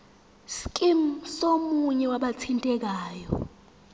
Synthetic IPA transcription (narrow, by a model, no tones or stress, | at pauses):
skʼim̩somuɲɛwaɓatʰintʼɛk̬aːjɔ̰